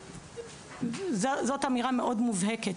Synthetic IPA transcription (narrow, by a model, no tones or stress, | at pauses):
zzotamiʁame̞ʔo̞dmuvheket